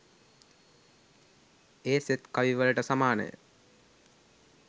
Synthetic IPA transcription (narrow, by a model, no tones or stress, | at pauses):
eːset̪kaʋiʋələʈəsamaːnə̰jə̰